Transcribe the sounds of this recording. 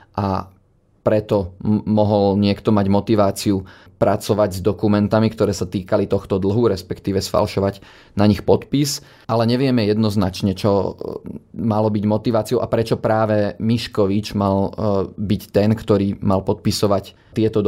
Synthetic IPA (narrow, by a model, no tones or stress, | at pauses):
ʔa̰ | pɾɛt̪ɔmɔɦɔlɲɪɛkt̪ɔmaɟmɔt̪iʋaːt͡siu | pɾʔat͡sɔʋaɟzd̪ɔkumɛnt̪amikt̪ɔɾɛːsat̪iːkalit̪ɔxt̪ɔd̪l̩ɦuɾɛspɛkt̪iːʋɛsfa̰lʃɔʋaɟ | naɲixpɔt̪pis | alɛɲɛʋɪɛmɛjɛd̪nɔznat͡ʃɲɛt͡ʃɔ | malɔbiɟmɔt̪iʋaːt͡siɔʊʔapɾɛt͡ʃɔpɾaːʋɛmiʃkɔʋit͡ʃmalbict̪ɛnkt̪ɔɾiːmalpɔt̪̚pisɔʋac | t̪ɪɛt̪ɔ